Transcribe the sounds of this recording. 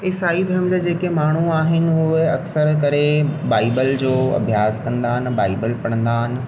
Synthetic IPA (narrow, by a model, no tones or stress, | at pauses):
ɪsaːid̪ʱəɾəmd͡ʑad͡ʑeːkemaːɳ̤uaːɦɪnɪ̆ʊɦeɐksəɾkɐɾebaːɪbəld͡ʑoːɐ̰bʱjaːskɐ̃nd̪aːɦɪnɪbaːɪbəlpɐɽ̃ə̃nd̪aːɦɪnɪ̆